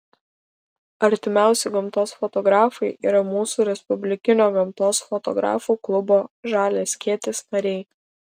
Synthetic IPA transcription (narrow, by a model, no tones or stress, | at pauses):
ɐɾʲt̪ʲɪmʲæˑʊsʲɪɡɐmt̪oːsfɔt̪ɔɡɾɑːfɐɪʔḭːɾɐmuːsuːɾʲɛspʊbʲlʲɪkʲɪnʲoːɡɐmt̪oːsfɔt̪ɔ̰ɡɾɑ̰ːfuːklˠʊboːʒɑːlʲeːsʲkʲiɛt̪ʲɪsnɐɾʲɛɪ